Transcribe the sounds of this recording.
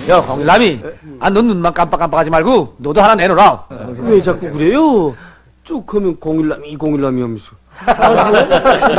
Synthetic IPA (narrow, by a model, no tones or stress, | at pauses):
jʌkoŋilːamianːɯnːunmank͈amp͈ak͈amp͈akad͡ʑimaɭɡunoduɦananenoɾaowed͡ʑak͈ukɯɾejo | t͡ɕokʰɯmjʌnkoŋilːamiikoŋilːamiamiso